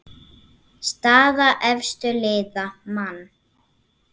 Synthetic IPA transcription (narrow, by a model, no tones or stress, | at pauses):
st̪aːðaʔɛfst̪ʏlɪːðamanː